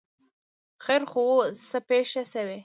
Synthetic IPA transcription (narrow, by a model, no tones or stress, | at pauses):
xeɾxowosəpeʃasawe